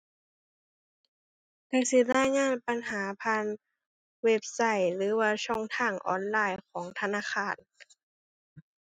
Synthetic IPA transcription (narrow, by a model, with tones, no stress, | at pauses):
ka˧˩si˧˦laː˧˥˨jŋaː˧˥˨npa˧nɦaː˩˦pʰaː˧˥˨n | we˦˧˩p̚sa˧˩jlɯː˨˩˦waː˧t͡ɕʰɔ˧˩˨ŋt̪ʰaː˧˥˩ŋʔɔ̰ː˧˩nlaː˧˩jkʰɔː˩˦ŋt̪ʰa˧naː˧˥˨xaː˧˥˩n